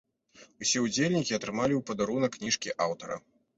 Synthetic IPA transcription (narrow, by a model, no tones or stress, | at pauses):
usʲɛud͡zʲelʲnʲikʲiɐt̪ɾɨmalʲiwpɐd̪aɾunɐkːnʲiʂkʲiʔawt̪ɐɾɐ̰